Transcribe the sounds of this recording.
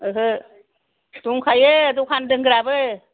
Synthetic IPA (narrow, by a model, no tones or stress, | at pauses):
ɯɦɯ | tuŋkʰajeadukʰandɯŋɡɯɾabɯ